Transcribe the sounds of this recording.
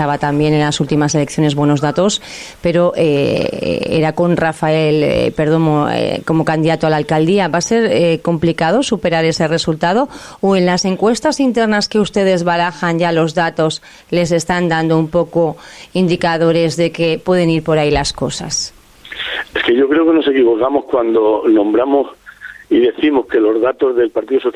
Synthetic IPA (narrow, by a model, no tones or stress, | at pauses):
aβat̪ambje̞ne̞nlasult̪imase̞le̞kθjo̞ne̞zβwe̞no̞zðat̪o̞s | pe̞ɾo̞ʔḛ | ḛɾako̞nrafae̞l̰pe̞ɾðo̞moḛko̞mo̞kand̪iðat̪oalalkald̪iaβase̞ɾko̞mplikað̞o̞supe̞ɾaɾe̞se̞re̞sult̪að̞o̞oe̞nlase̞ŋkwe̞st̪asint̪e̞ɾnaske̞ust̪e̞ð̞e̞zβalaxanɟ͡ʝalo̞zðat̪o̞s | le̞s̬e̞st̪and̪and̪oumpo̞koind̪ikaðo̞ɾe̞zðe̞ke̞pwe̞ð̞eniɾpo̞ɾajlasko̞sa̰s | eske̞ʝo̞kɾe̞oke̞nose̞kiβo̞kamo̞skwand̪o̞nõ̞mbɾamo̞siðe̞θimo̞ske̞lo̞zðat̪o̞zðe̞lpaɾt̪iðoso